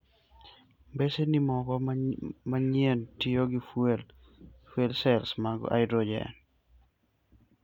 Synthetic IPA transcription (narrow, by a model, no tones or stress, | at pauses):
mbesenimɔkɔmaɲientioɡifwel | fwelsɛlsmaɡɔ̰ʔa̰jdɾod͡ʒɛ̰n